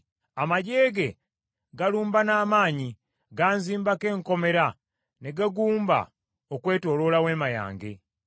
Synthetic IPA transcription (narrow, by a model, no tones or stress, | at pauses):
amaɟe̞ːɡe̞ | ɡaluːmbanaːmaːɲi | ɡaːnziːmbake̞ːŋko̞me̞ɾa | neɡaɡuːmba̰ | okwe̞ːto̞ːlo̞lawe̞ːmaja̰ːŋɡḛ